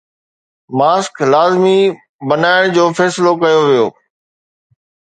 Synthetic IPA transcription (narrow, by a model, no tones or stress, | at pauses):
maːsklaːzmi | bɐnaːɪɽ̃d͡ʑoːfɛːsɪlokɐjoʋijo̰ː